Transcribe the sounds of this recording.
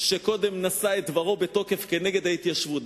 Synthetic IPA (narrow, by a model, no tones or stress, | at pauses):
ʃeko̞d̪e̞mnasaet̪̚dvaʁo̞beto̞ke̞fke̞ne̞ɡe̞d̪hait̪jaʃvut